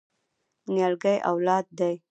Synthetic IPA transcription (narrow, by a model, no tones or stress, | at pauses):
njalɡajʔa̰wlɑd̪̚d̪aj